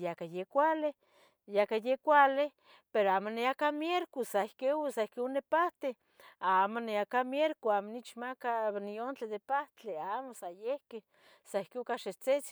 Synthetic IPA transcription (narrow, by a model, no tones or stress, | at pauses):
jakajekʷale | jakajekʷale | peɾoaːmoneakamjeɾkusaehkeusaehkeunepaht̪e | amoneakamjeɾkoamonit͡ʃmakaniont͡ɬedðepaht͡ɬeamosajehke | saehkeukaʃet͡set͡s